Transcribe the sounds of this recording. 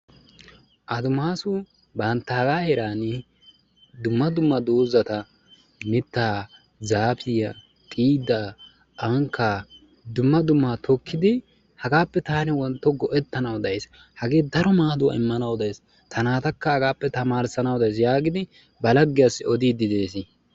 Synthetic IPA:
ʔɐd̪ʊmaːsʊ | bɐnt̪ːɐhɐɡaːhɛɾaːn | d̪ʊmːɐd̪ʊmːɐd̪oːzɐt̪ɐ | mɪt̪ːaː | zaːpɪjɐ | kʼiːd̪a | ʔɐŋkːaː | d̪ʊmːɐd̪ʊmːat̪ɔkʰːɪd̪ɪ | hɐɡaːpːɛt̪aːnɪwɔnt̪ːɔɡɔʔɛt̪ːɐnɐwd̪ɐjs | hɐɡe̞ːd̪ɐɾɔmaːd̪ʊwɐ̰ɪmːɐnɐwd̪ɐjs | t̪ʰɐnaːt̪ɐkːɐhɐɡaːpːɛt̪ɐmaːɾsɐnɐwd̪ɐjs̬jaːɡɪd̪ɪ | bɐlɐɡːɪjasːɪɔd̪iːd̪ɪd̪e̞ːs̬ɪ

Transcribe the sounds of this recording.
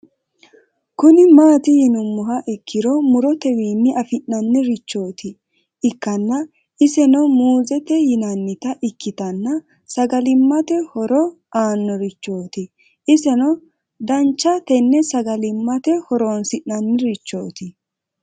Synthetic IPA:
kʊnɪmaːt̪ɪjɪnʊmːʊɦɐʔɪkʰːɪɾɔmʊɾɔt̪ɛwiːmːɪʔɐfɪʔnːɐnːɪɾɪt͡ʃːo̞ːt̪ɪ | ɪkːɐnːɐ | ɪsɛnɔmuːzɛt̪ɛjɪnɐnːɪt̪ɐʔɪkːɪt̪ɐnːɐ | sɐɡɐlɪmːɐt̪ɛhɔɾɔ | aːnːɔɾɪt͡ʃːo̞ːt̪ɪ | ʔɪsɛnɔ | d̪ɐnt͡ʃːɐt̪ɛnːɛsɐɡɐlɪmːɐt̪ɛhɔɾoːnsɪʔnɐnːɪɾɪt͡ʃːo̞̰ːt̪ɪ

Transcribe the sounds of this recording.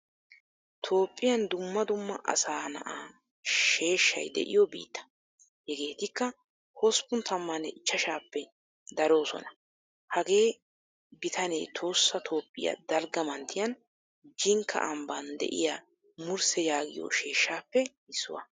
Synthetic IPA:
t̪ʰo̞ːpʼːɪjɐnd̪ʊmːɐd̪ʊmːɐʔɐ̰saːnɐ̰ʔaː | ʃe̞ːʃːɐ̰jd̪ɛ̰ʔɪ̰jɔbḭːt̪ːɐ̥ | hɛɡe̞ːt̪ɪkːɐ | hɔspʊnt̪ʰɐmːɐnɛɪt͡ʃːɐʃaːpːɛ | d̪ɐɾo̞ːsɔ̰nɐ | hɐɡe̞ː | bɪt̪ʰɐnḛːt̪ʰo̞ːsːɐt̪ʰo̞ːpʼːɪjɐ̰d̪ɐlɡɐmɐnt̪ʰːɪjɐn | d͡ʒɪŋkʰːɐ̰ʔɐmbɐnd̪ɛ̰ʔɪ̰jaː | mʊɾsɛjaːɡɪjo̰ʃe̞ːʃːaːpːɛ | ɪsːʊ̰wɐ̰

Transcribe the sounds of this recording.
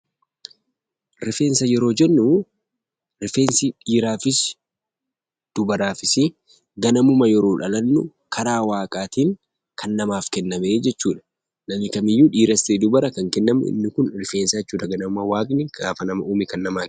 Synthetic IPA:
ɾɪfe̞ːnsɐjɛɾo̞ːd͡ʒɛnːʊ | ɾɪfe̞ːnsɪᶑiːɾaːfɪs | d̪̥ʊbɐɾaːfɪsɪ | ɡɐnɐmʊmɐjɛɾo̞ːᶑɐlɐnːʊ̰ | kʰɐɾaːwaːkʼaːt̪iːŋ | kʰɐnːɐmaːfkɛnːɐmeːd͡ʒɛt͡ʃːuːᶑɐ̥ | nɐmɪkɐmɪjːuːᶑiːɾɐst̪iːd̪ʊbɐɾɐkɐŋkɛnːɐmʊʔɪ̰nːɪkʊnɾɪfe̞ːnsɐd͡ʒɛt͡ʃːuːᶑɐɡɐnɐmʊmɐwaːkʼnɪɡaːfɐnɐmɐʔuːmɪkɐnːɐmaː

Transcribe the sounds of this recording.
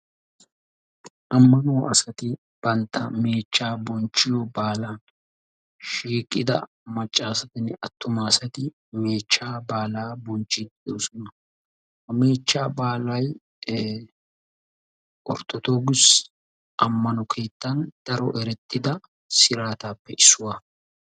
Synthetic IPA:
ʔɐmːɐnoːʔɐsɐt̪ɪ | b̥ɐnt̪ːɐmeːt͡ʃːaːbɔnt͡ʃːɪjɔbaːlaːn | ʃiːkʼːɪd̪ɐ̰ | mɐt͡ʃʼːaːsɐt̪ɪnɪɐt̪ːʊmaːsɐt̪ɪ | me̞ːt͡ʃːaːbaːlaːbɔnt͡ʃːɪd̪joːsɔnɐ | hɐme̞ːt͡ʃːaːbaːlɐj | ʔɔɾt̪ːɔt̪o̞ːɡɪs | ʔɐmːɐnɔkʰe̞ːt̪ːɐnd̪̥ɐɾɔʔɛɾɛt̪ʼːɪd̪ɐ | sɪɾaːt̪aːpːɛʔɪsːʊwaː

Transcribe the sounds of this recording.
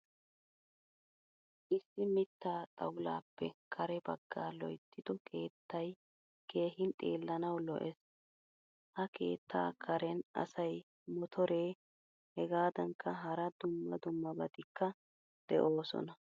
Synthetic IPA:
ʔɪsːɪmɪt̪ːaːt̪ʼɐwla̰ːpːɛkʰɐɾɛbɐɡːaːlɔjt̪ːɪd̪̥ɔkʰe̞ːt̪ːɐj | ke̞ːɦɪnt̪ʼe̞̰ːlːɐnɐwlɔʔɛs | ʔɐkʰe̞̰ːt̪ʰːa̰ːkʰɐɾɛnɐ̰sɐj | mɔt̪ʰɔɾe̞ː | hɛɡaːd̪ɐŋkʰːɐɦɐɾɐd̪ʊmːɐd̪ʊmːɐbɐd̪ɪkːɐ | d̪̥ɛʔo̞ːsɔ̰nɐ

